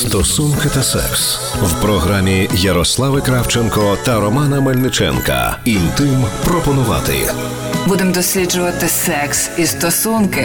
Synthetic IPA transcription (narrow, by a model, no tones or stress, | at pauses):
st̪ɔsunkɪt̪ɐsɛ̰ks | wpɾɔɦɾamʲijɐɾɔslˠɑʋɪkɾawt͡ʃenkɔt̪ɐɾɔmɑnɐmɐlʲnɪt͡ʃɛ̰nkɐ̰int̪ɪmpɾɔpɔnʊʋɑ̰t̪ɪ̰ | bud̪emd̪ɔsʲlʲid͡ʒʊʋɐt̪ɪsɛksist̪ɔsunkɪ